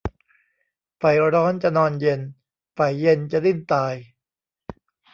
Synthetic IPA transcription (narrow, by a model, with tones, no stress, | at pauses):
fa˨˩jɾɔː˦˥nt͡ɕa˨˩nɔː˧nje˧n | fa˨˩jːe˧nt͡ɕa˨li˥˩nt̪aː˧j